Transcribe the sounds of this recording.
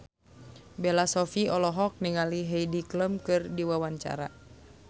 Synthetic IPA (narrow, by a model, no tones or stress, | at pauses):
bɛlasɔfiɔlɔɦɔk̚niŋaliɦejdikləmkɨrdiwawaɲt͡ʃa̰ɾa